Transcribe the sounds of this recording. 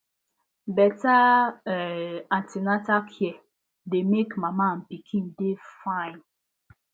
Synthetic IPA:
bɛta | atinatakʰjɛ | demekmamam̩pikʰĩndefãɪn

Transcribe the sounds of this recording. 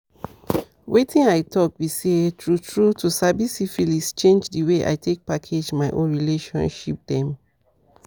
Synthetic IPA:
wetʰĩnaɪtʰɔkwisetɹutʰɹutʰusabisifilist͡ʃẽnd͡ʒdəweʔa̰ɪtʰek̚pakʰed͡ʒmaɪʔõ̰nɹileʃɔ̰̃nʃip̚dɛ̃m

